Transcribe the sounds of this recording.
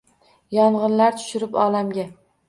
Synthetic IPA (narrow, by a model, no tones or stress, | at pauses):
jɒɴʁɨnlaɾt̪ʰʊ̥ʃɪɾɪpɒlamɡʲa